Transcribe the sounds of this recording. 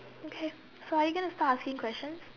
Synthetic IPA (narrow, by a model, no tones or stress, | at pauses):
okʰeː | soaːɾjuɡʌnəstaːʈaskɪ̃ŋkʰwɛst͡ʃə̃nz̥